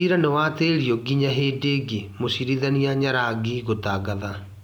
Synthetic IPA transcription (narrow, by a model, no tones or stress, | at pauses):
iɾanewateɾiɔɡiɲaɦeːdeɡemosiɾiðaniaɲaɾaɡiɣotaɡaða